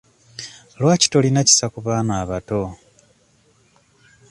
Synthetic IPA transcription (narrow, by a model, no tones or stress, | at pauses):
lwaːci̥to̞linaci̥sakuβaːnaːβato